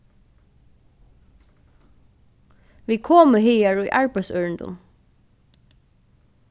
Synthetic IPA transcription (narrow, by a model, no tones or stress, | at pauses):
ʋiːkʰoːməɦiːaɹujʔaɹpæsœːɹɪnd̪ʊ̰n